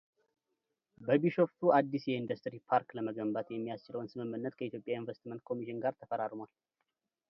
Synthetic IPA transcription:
bəbiʃo̞ft̪ʰuad̪ːisjɛind̪əst̪ɾipʰaɾkləməɡəmbat̪jɛmːijast͡ʃɪləwnsɨmɨmːɨnːət̪kʰəit̪ʰjo̞pʼjainvəst̪mənt̪̚kʰo̞miʃɪnɡaɾt̪ʰəfəɾaɾmwal

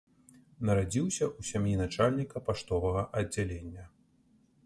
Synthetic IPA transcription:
nɐɾad͡zʲiwsʲɐʔusʲamjinat͡ʂalʲnʲikɐpaʂt̪ɔvɐɣɐʔɐd͡zʲːalʲenʲːɐ

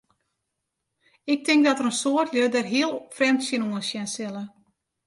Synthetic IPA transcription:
ɪk̚tɪŋk̚dɔtərənsoərtljødərɦiəlˠfrɛmtsjənuənsjɛnsɪlˠə

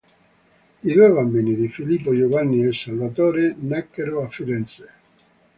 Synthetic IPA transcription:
id̪ujβambiːnid̪ifilipːojovanːiesalvat̪oːɾenɛkːeɾoafːiɾɛnt̪se

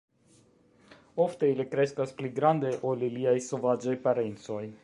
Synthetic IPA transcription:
o̞ft̪e̞ilikɾe̞skaspliɡɾand̪eʔoliliajso̞vad͡ʒajpaɾent͡so̞j

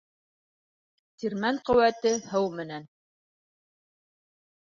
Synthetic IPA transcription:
t̪iɾmæɴqɵ̆wæt̪ɘhɤwmɘ̆næn

